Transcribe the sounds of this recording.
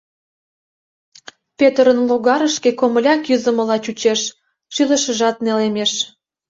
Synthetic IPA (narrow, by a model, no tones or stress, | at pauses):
pet̪əɾənloɣɑɾəʃkekoməlʲɑkjyzə̆mə̆lɑt͡ɕut͡ɕeʃ | ʃylə̆ʃə̆ʒɑt̪̚nelemeʃ